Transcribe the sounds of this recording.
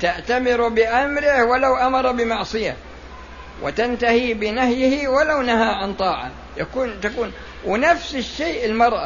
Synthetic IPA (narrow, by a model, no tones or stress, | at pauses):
t̪aʔt̪amɪɾbɪʔamɾɪhwalawʔamɑɾˤɑbɪmɑʕsˤɨja | wʔɪ̰t̪ant̪ahibɪnahjhiwalawnahaʕant̪ˤɑːʕɑ̰ | jakuːnt̪akuːn | wɪnafsɪʃːeːʔɪlmɑɾˤʔa̰